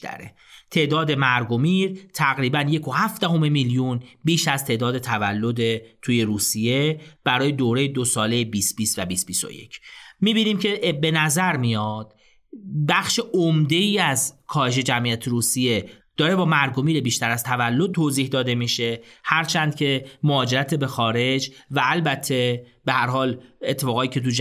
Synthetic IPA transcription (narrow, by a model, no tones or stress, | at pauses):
æ̰ɾḛ | t̪ʰe̞ːʔd̪ɒːd̪e̞mæɾɡomiɾt̪ʰæɣɾiːbænje̞kʰo̞hæfd̪æɦo̞me̞miljunbiːʃæzt̪ʰe̞ʔd̪ɒːd̪e̞t̪ʰævælːo̞d̪et̪ʰuːje̞ɾuːsije̞b̥æɾɒːje̞d̪oːɾejed̪o̞sɒːle̞jebiːst̪biːst̪væbiːs̚biso̰jḛcʰmiːbiːniːmcʰe̞be̞næzæɾmijɒːd̪̥̚ | bæxʃeʔomd̪e̞iːæzkʰɒːhe̞ʃ̬e̞d͡ʒæmʔijæt̪ʰeɾuːsije̞d̪̥ɒːɾe̞bɒːmæɾɡo̞miːlebiːʃt̪æɾæzt̪ʰævælːo̞d̪̚t̪ʰːoːziːhd̪ɒːd̪e̞miːʃe̞hæɾt͡ʃʰæːnd̪̚cʰe̞moɒːd͡ʒe̞ɾæt̪ʰebe̞xɒːɾe̞d͡ʒvæːlbæt̪ʰːe̞ | be̞hæɾhɒːle̞t̪ʰːe̞fɒːɣɒːt̪ʰiːcʰe̞t̪̬ud͡ʒ